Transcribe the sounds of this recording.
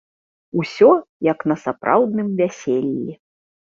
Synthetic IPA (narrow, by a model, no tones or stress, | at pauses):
usʲɔjɐknɐsapɾʔa̰wd̪nɨmvʲasʲelʲːi